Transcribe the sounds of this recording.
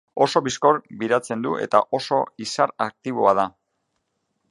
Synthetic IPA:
o̞so̞βisko̞ɾbiɾat͡se̞nd̪uʔe̞̰t̪aʔo̞so̞isaɾak̚t̪iβ̞o̞að̞a

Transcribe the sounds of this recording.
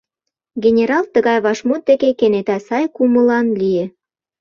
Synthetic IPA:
ɡenʲeɾɑlt̪ə̆ɣɑjβɑʃmot̪̚d̪ekekenet̪æsɑjkumə̆lɑnlije

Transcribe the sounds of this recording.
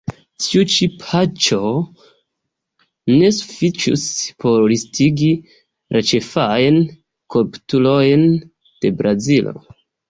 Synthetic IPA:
tʰiut͡ʃipʰat͡ʃo | ne̞su̥fit͡ʃṵspo̞ɾɾistʰiɡi | ɾʔet͡ʃefajn | kolptulojn | d̥e̞bɾʔazilo̞̰

